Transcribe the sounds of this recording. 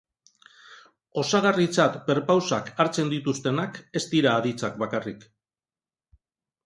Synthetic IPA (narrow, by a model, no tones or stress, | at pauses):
o̞saɣarit͡sat̪pe̞ɾpawsakaɾt͡se̞nd̪it̪ust̪e̞nake̞st̪iɾaːðit͡sakbakarik